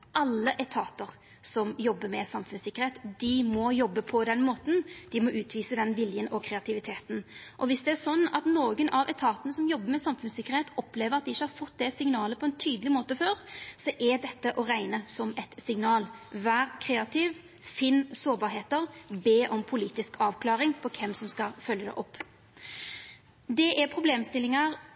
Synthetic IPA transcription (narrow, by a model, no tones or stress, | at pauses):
ʔɑlːəʔɛt̪ʰɑːt̪əʁ | sɔmjɔbːəmɛsɑmfʉnsɪkːəɾheːt̪d̪̥ɪmɔjɔbːəpʰɔd̪ɛnmoːt̪n̩d̪̥ɪmɔʔʉːt̪ʰʋiːsəd̪ɛnʋɪljənɔkʰɾɛɑt̪ʰɪʋɪt̪ʰeːt̪n̩ʔɔʋɪsd̪ɛæɾsɔnːɑt̪noːɡənʔɑʋʔɛ̰t̪ʰɑːt̪ənəsɔmjɔbːəmɛsɑmfʉnsɪkːəʁheːt̪ɔpleːʋəɾɑt̪̚d̪ɪɪçːəhɑɾfɔt̪ːd̪ɛsɪŋnɑːləpʰɔɛnt̪ʰyːd̪əlɪmoːt̪əføːɾsɔʔɛd̪ɛt̪ːəʔɔɾæɪnəsɔmɛt̪sɪŋnɑːlʋæːʁkʰɾeːɑt̪ʰɪʋ | fɪnːsoːɾbɑɾheːt̪əʁbeːʔɔmpʰʊliːt̪ɪskʰɑːʋkʰlɑːɾɪŋpʰɔkʰɛmsɔmskɑfœljəd̪ɛ̰ʔɔpː | d̪ɛʔæpʰɾʊbleːmst̪ɪlːɪŋɑʁ